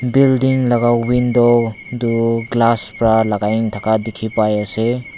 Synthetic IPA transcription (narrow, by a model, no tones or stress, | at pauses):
bildiŋlaɡawindo | duɡlaspɾalaɡajŋtʰakadikʰipajase